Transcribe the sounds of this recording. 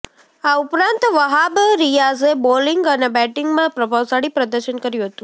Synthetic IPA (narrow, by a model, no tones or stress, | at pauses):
aupɾãnt̪ʋəɦabɾijazebolɪŋɡənebɛʈɪŋɡmãpɾəbʱaʋsaɽipɾəd̪əɾʃənkəɾjũɦət̪ũ